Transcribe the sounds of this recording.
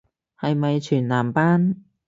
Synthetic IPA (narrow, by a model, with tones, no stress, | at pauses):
hɐ˨˧jmɐ˨jt͡ʃʰyː˨˩nlaː˨˩mpaː˥n